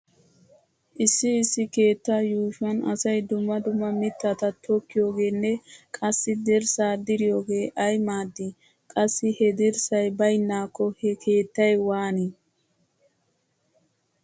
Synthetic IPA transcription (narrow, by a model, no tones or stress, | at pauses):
ʔɪsːɪɪsːɪkeːt̪ːɐjuːʃɐnɐ̰sɐjd̪ʊmːɐd̪ʊmːɐmɪt̪ːat̪ɐt̪ʰɔkːɪjo̞ːɡe̞ːnːɛkʼɐsːɪd̪ɪɾsaːd̪ɪɾɪjo̞ːɡe̞ːʔɐjmaːd̪ːɪ | kʼɐsːɪhɛd̪ɪɾsɐjbɐjnːaːkːɔhɛkʰe̞ːt̪ːɐjwaːni